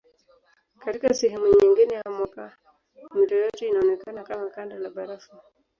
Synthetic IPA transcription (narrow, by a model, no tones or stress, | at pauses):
katikasɛɦɛmuɲiŋɡinɛjamwaka | m̩tɔjɔtɛinaɔnɛkanakamakandalaɓaɾafa